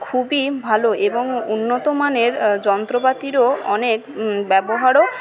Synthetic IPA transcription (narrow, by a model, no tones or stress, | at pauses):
kʰubibʱaloʔeboŋunːot̪omaneɾd͡ʑɔnt̪ɾopat̪iɾoɔnekbɛboɦaɾo